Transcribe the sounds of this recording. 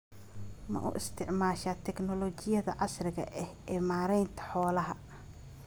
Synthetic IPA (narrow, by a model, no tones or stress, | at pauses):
mɐ̰ʔṵʔɪst̪ʰɪʕmaːʃat̪ʰɛɡnɔlɔt͡ʃɪjɐðɐ̰ʕɑsrɪɣɐ̰ʔɛhɛːmaːɾɛjnt̪ʰɐ̥ħɔːlɐɦɐ